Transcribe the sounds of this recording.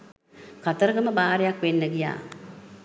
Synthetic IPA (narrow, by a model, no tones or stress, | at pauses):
kat̪əɾəɡəməbaːɾejakʋenːəɡija̰ː